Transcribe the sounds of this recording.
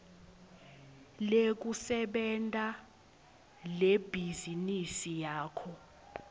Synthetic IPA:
lek̬usɛɓɛntʼa | leb̥ʱizinisijaːkʰɔ

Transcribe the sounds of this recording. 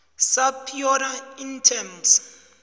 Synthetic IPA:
sapʰiɔɾaintʰɛms

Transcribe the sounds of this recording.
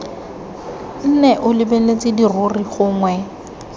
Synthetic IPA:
n̩nɛʔʊlɪbelet͡sʼɪdirʊriχʊːŋwɛ

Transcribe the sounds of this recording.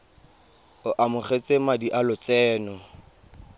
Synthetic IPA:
ʊʔamʊχet͡sʼemadiʔalʊt͡sɛːnɔ

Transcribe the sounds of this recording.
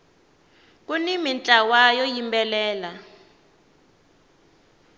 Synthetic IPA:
kunimint͡ɬʼawajɔjimbɛlɛːla

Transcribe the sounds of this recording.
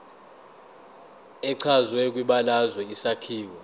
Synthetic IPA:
ɛǀʰazwɛk̬ʼwiɓalazwɛisakʰiːwa

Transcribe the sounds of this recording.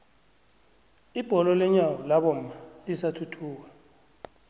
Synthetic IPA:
ib̥ʱɔlɔlɛɲawɔlaɓɔm̩aisatʰutʰuːk̬a

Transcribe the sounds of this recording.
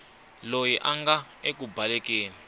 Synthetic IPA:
lojiʔaŋɡa | ek̬ubʱalɛk̬ʼeːni

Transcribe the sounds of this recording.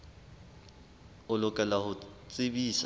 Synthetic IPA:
ʊlʊkʼɛlahʊt͡sʼɪbiːs

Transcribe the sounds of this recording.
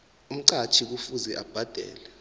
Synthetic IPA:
um̩ǀat͡ʃʰik̬ufuzɛʔab̥ʱad̥ʱɛ̰ːlɛ

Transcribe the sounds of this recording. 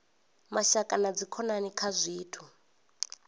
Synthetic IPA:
maʃakʼanad͡zikʰɔnanikʰazʷiːtʰu

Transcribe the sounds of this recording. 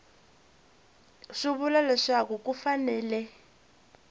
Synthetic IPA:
ʂiβulalɛʂakuk̬ʼufanɛːlɛ

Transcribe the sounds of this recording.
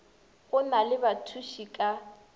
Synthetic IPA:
ɣʊnalɪbatʰuʃikʼa

